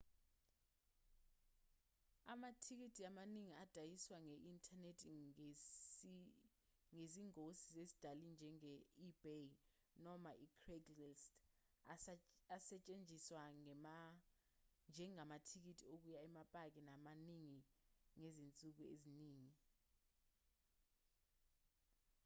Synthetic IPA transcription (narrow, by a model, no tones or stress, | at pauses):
a̰matʰik̬itʰʼiamaniŋiad̥ʱajiswaŋɛʔintʰʼanetʰ | ŋeziŋosi̥zesi̥d̥ʱalind͡ʒʱɛŋɛib̥e | nɔmaʔikʰrɛɡlɛst | asɛt͡ʃʼend͡zʱiswama | nd͡ʒʱɛŋamatʰik̬itʼiok̬ujaɛmapʼak̬ʼinamaniŋiŋezint͡sʼuk̬uḛziniːŋi